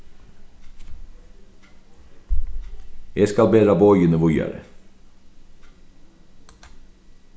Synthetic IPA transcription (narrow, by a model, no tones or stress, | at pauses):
jeskɑlbeːd̪ɾɑboːʏjənəʋʊjɑ̰ɾə̰